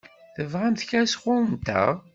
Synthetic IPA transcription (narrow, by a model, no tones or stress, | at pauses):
θəvʁæmθçæsχʊɾənt̪æ̰